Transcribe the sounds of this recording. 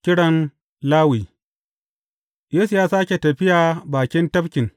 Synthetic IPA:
kʲɪ˦ɽɐ˨n | laː˦wiː˨ | jeː˦su˨jaː˦saː˦kʲe˨tɐ˨ɸɪ˦jaː˨baː˨kʲɪ˦ntɐ˦ɸkʲɪ˨ŋ

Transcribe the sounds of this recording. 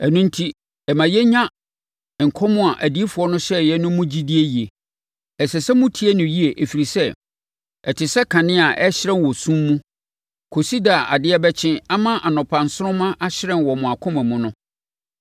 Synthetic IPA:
ɛ˨nũ˦n̩˦tʰi˦ | ɛ˨mã˨jɛ˦ɲã˦˨ | ŋ̩˨kʰɔ˦mʊ̃˦a˨ʔæ˨di˦e˦fʊ˨ɔ˦nʊ̃˦ɕɛ˦jɛ˦nʊ̃˦mʊ̃˦d͡ʑi˦di˦e˦ji˨e˨ | ɛ˨sɛ˨sɛ˦mʊ̃˦tʰi˦e˦nʊ̃˨ji˦e˨ʔe˨fi˨ɾi˨sɛ˦ | ɛ˨tʰɪ˨sɛ˦kʰã˨nɪ̃˦a˨ʔɛ˦ɕɪ˦ɾɛ̃˦nwɔ˨sũ˦mːũ˦ | kʰo˨si˦da˨a̰˨dɪ˦ɛ˦bɛ˦t͡ɕʰɪ̃˦a˦mã˦ʔa˨nɔ̃˨pʰã˨n̩˨sʊ˦ʊ̃˦mã˦ʔa˦ɕɪ˦ɾɛ̃˨nwɔ˨mʊ̃˨a˨kʰʊ̃˦mæ̃˨mʊ̃˨˦nʊ̃˦

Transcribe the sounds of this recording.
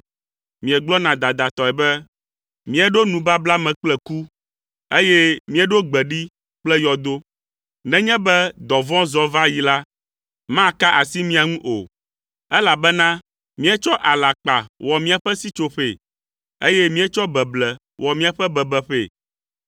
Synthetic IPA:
mĩ˨ɛ˨ɡ͡blɔ˦nã˨d̪a˨d̪a˨t̪ɔ˨ɛ˨bɛ˦ | mĩ˦ɛ˨ɖo˦nũ˨ba˦bla˦mɛ̃˨k͡plɛ˨ku˦ | e˦jɛ˦mĩ˦ɛ˨ɖo˦ɡ͡bɛ˨ɖi˦ | k͡plɛ˦jɔ˨d̪o˦ | nɛ̃˦ɲɛ̃˦bɛ˦d̪ɔ˨vɔ̃˦zɔ˨va˦ji˨la˦ | mã˦˨ka˦ʔa˨si˦mĩ˦a˨ŋũ˦ʔo˨ | ɛ˦la˨bɛ˦nã˦ | mĩ˦ɛ˦t͡ʃɔ˦ʔa˨la˨k͡pa˨wɔ˨mĩ˦a˨ɸɛ˦si˦t͡ʃo˨ɸḛ˨ | e˦jɛ˦mĩ˦ɛ˦t͡ʃɔ˦bɛ˨blɛ˨ | wʔɔ˨mĩ˦a˨ɸɛ˦bɛ˨bɛ˨ɸḛ˦˨

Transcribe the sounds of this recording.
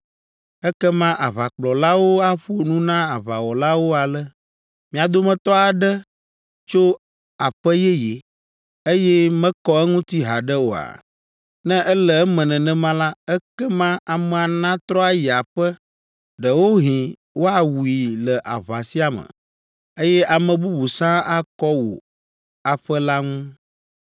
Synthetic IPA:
ɛ˦kɛ˦mã˦ʔa˨βa˨k͡plɔ˨la˦wo˦a˦ɸo˦nũ˦nã˦a˨βa˨wɔ˨la˦wo˦a˨lə˦ | mĩ˨a˨d̪o˦mɛ̃˦t̪ɔ˦a˨ɖə˦ | t͡ʃo˦ | a˨ɸə˦jɛ˦je˨ | e˦jɛ˦mɛ̃˦kɔ˦ɛ˦ŋũ˦t̪i˦ɦa˨ɖɛ˦wo˨a̰˨ | nɛ̃˦ʔɛ˦lə˨ɛ˦mɛ̃˨nɛ̃˨nɛ̃˦mã˦la˦ɛ˦kɛ˦mã˦a˨mɛ̃˨a˨nã˦t̪ɾɔ˦a˦jɛ˨a˨ɸə˦ | ɖə˨wo˦ɦĩ˨ | wo˦a˨wu˨i˨lə˨ʔa̰˨βa˨si˦a˨mə̰̃˨ | e˦jɛ˦ʔa˨mɛ̃˨bu˦bu˨sã˦a˦kɔ˦wo̰˨ | a˨ɸə˦la˦ŋũ˦

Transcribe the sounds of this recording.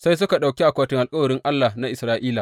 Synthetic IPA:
sa˦js̬ʊ˦ka˨ɗa˨wkʲi˦ʔa˨kʷaː˦tɪ˦ŋʔa˨lkʼɐ˦wɐ˨ɾɪ˦ŋʔa˦lːaː˨na˦ʔɪ˨sɾaː˦ʔiː˦la˨

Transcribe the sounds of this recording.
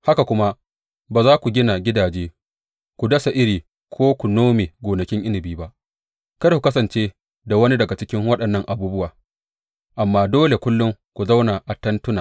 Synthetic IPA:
ha˦ka˨kʷʊ˦ma˦ | baː˨zaː˦kʷu˨ɡʲɪ˦na˨ɡʲɪ˦daː˨d͡ʒeː˦ | kʷu˨dɐ˦sa˨ʔɪ˦ɾiː˨ | kʷʰoː˦kʷu˨noː˦meː˨ɡʷoː˨nɐ˨kʲɪ˦ŋʔɪ˦nɪ˨biː˦ba˦ʔ | kɐ˦rku˨kɐ˦sɐ˨nt͡ʃeː˦ | da˨wɐ˦ni˦dɐ˨ɡa˨t͡ʃɪ˦kʲɪ˦ŋwɐ˦ɗɐ˨nːɐ˦˨ŋʔa˨buː˦bʊ˦waː˨ | ʔa˨mːaː˦doː˦le˨kʷʊ˦lːʊ˦ŋkʷu˨za˦wna˨ʔa˨tɐ˦ntʊ˦naː˨

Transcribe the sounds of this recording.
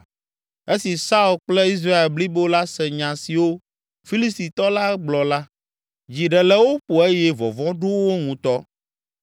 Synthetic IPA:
e˦si˨sa˦u˨lk͡plɛ˦i˦s̬ɾa˦e˨lbli˦bo˦la˦sɛ˨ɲã˨si˨wo˦ | fi˦li˦st̪i˨t̪ɔ˦la˦ɡ͡blɔ˨la˦ | d͡ʑi˨ɖɛ˨lɛ˦wo˦ɸo˨e˦jɛ˦vɔ̰˨vɔ̃˦ɖo˦wo˦ŋũ˨t̪ɔ˦

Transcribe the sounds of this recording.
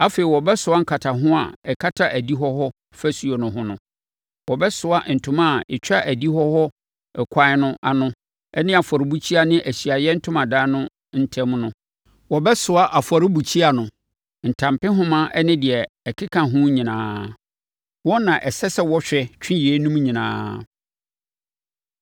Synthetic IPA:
a˦feː˨i˨wɔ˨bɛ˦sʊ˨a˦ŋ̩˦kʰa˨tʰa˨ɦʊ̃˦a̰˨ɛ˨kʰa˦tʰa˦ʔæ˨di˦ɦɔ˦hɔ˦ | fæ˦su˨o˨nʊ̃˨ɦʊ̃˦nʊ̃˦ | wɔ˨bɛ˦sʊ˨a˦n̩˨tʰʊ̃˦mã˦˨ɪ˨t͡ɕᶣa˦ʔæ˨di˦hɔ˦hɔ˦ | ɛ˨kʷʰa˦ɪ˦nʊ̃˦ʔa˦˨nʊ̃˦ | ɛ˦nɪ̃˦a˨fɔ˨ɾɪ˨˦bu˦t͡ɕʰi˦a˨nɪ̃˦ʔæ˨ɕi˨a˨jɛ˦n̩˦tʰʊ̃˦mã˨daː˦nʊ̃˦ | n̩˦tʰɛ̃˦mnʊ̃˦ | wɔ˨bɛ˦sʊ˨a˦ʔa˨fɔ˨ɾɪ˦bu˨t͡ɕʰi˦a˨nʊ̃˨ | n̩˨tʰã˨mpɪ̃˦ɦʊ̃˦mã˦ʔɛ˦nɪ̃˦dɪ˨ɛ˨ | ɛ˨kʰɪ˦kʰã˨ɦʊ̃˦ɲĩ˨nãː˦ | wɔ̃˦nã˨ʔɛ˨sɛ˦sɛ˦wɔ˦ɕᶣɛ˨t͡ɕᶣʰɪ̃˦jɛ˨˦nũ˦m˦ɲĩ˨nã̰ː˦

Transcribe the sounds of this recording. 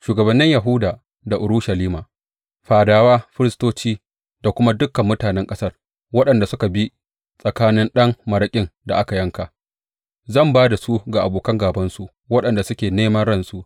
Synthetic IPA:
ʃuː˨ɡɐ˨bɐ˨nːɪ˦ɲja˨ɦʊ˦daː˨ | da˨ʔʊ˨ɾu˦ʃɐ˨liː˦maː˨ | ɸaː˨daː˨waː˦ɸɪ˦ɾɪ˦stoː˦t͡ʃiː˦ | da˨kʷʊ˦ma˦dʊ˦kːɐ˨mːʊ˦taː˨nɛ˦ŋkʼɐ˦sɐ˦r | wɐ˦ɗɐ˨nda˨sʊ˦ka˨bi˦ | sʼɐ˨kaː˦nɪ˦nɗɐ˦ŋmɐ˨ɾɐ˦kʲʼɪ˦nda˨ʔa˦ka˨jɐ˦ŋka˨ | zɐ˦˨mbaː˦da˨su˦ɡa˨ʔa˨boː˨kɐ˦ŋɡaː˨bɐ˦nsu˦ʔ | wɐ˦ɗɐ˨nda˨sʊ˦kʲeː˨neː˦mɐ˦nɽɐ˦nsu˦ʔ

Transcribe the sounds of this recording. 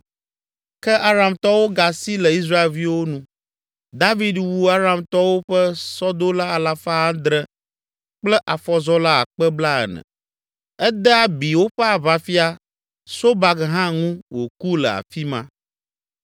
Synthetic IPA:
kɛ˦ʔa˦ɾa˨mt̪ɔ˦wo˦ɡa˨si˦lɛ˨i˦s̬ɾa˦e˨lvi˦wo˦nũ˦ | d̪a˦vi˦d̪wu˨a˦ɾa˦mt̪ɔ˦wo˦ɸɛ˦sɔ˦d̪o˦la˦a˨la˦fa˦a˦d̪ɾə˦ | k͡plɛ˦ʔa˨fɔ˨zɔ˦la˦a̰˨k͡pɛ˦bla˦ɛ̰˨nɛ̰̃˨ | ɛ˦d̪ɛ˦a˦bi˨wo˦ɸə˦a˨βa˨fi˦a˦ | so˦ba˨ɡɦã˦ŋũ˦wo˨ku˦lə̰˨a̰˨fi˦mã˦

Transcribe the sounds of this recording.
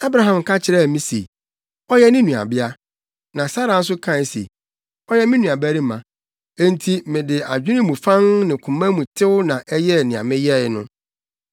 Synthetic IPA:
a˦bɾa˨ɦã˨m˨kʰa˦t͡ɕʰɪ˨ɾɛ˦˨mĩ˦sḛ˨ | ɔ˦jɛ˦nɪ̃˦nũ˨a̰˨bɪ˦a˦ | nã˨sa˦ɾa˨˦s̬ʊ˦kʰã˦˨˦sḛ˨ | ɔ˦jɛ˦mɪ̃˦nũ˨a˨bæ˦ɾi˦mã̰˨ | ẽ˦n˦tʰi˦mɪ̃˨dɪ˨a˨d͡ʑᶣɪ˦nɪ̃˦mũ˨fã˦ŋnɪ̃˨kʰʊ̃˨mã˦mũ˨tʰɪ˦wʊ˦nã˨ʔɛ˦jɛ˦˨nɪ̃˨a̰˨mɪ̃˦jɛ˦˨ɪ˨˦nʊ̰̃˦

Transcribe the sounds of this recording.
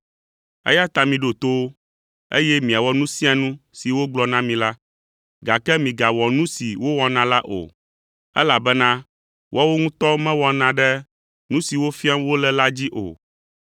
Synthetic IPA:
ɛ̰˦ja˦t̪a˨mĩ˨ɖo˨t̪o˦o˦ | ḛ˦jɛ˦mĩ˨a˨wɔ˦nũ˦sĩ˦a˨nũ˦si˨wo˦ɡ͡blɔ˨nã˦mĩ˨la˦ | ɡa˨kɛ˦mĩ˨ɡa˨wɔ˨nũ˦si˨wo˦wɔ˦nã˨la˦ʔo̰˨ | ɛ̰˦la˨bɛ˦nã˦ | wɔ˦wo˦ŋũ˦t̪ɔ˦mɛ̃˦wɔ˨nã˨ɖɛ˦ | nũ˦si˨wo˦fi˦a˦wo˦lɛ˦la˦d͡ʑi˦ʔo̰˨

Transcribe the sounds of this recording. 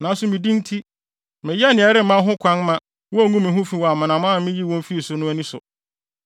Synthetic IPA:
nã˨˦n˦sʊ˨mĩ˨dĩ˦n˦tʰi˦ | mɪ̃˨jɛ˦˨nɪ̃˨ɛ˨ɾɪ˦m̩˨mã˦ɦʊ̃˦kʷʰã˦nmã˦ | wɔ˦æ˦˨˦ŋũ˦mɪ̃˨ɦʊ̃˦fi˦wɔ˨a˨mɪ̃˨nã˨mã˦˨˦mɪ̃˦ji˦˨wɔ̃˦m˦fi˦e˨sʊ˨nʊ̃˦æ˦nĩ˦sʊ̰˨

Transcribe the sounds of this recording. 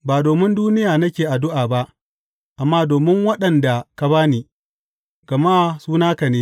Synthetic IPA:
baː˨doː˨mɪ˦nduː˦nɪ˦jaː˨nɐ˦kʲeː˨ʔa˨dʊ˦ʔaː˨ba˦ʔ | ʔa˨mːaː˦doː˨mɪ˦ŋwɐ˦ɗɐ˨nda˨ka˨baː˦niː˨ | ɡ̥ɐ˨maː˦suː˦naː˦ka˨neː˦

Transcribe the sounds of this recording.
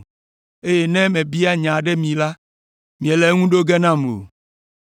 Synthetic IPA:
e˦jɛ˦nɛ̃˦mɛ̃˨bi˦a˦ɲã˨ɖɛ˦mĩ˨la˦ | mĩ˨ẽ˨le˨˦ŋũ˦ɖo˦ɡɛ˦nã˦mlo̰˨

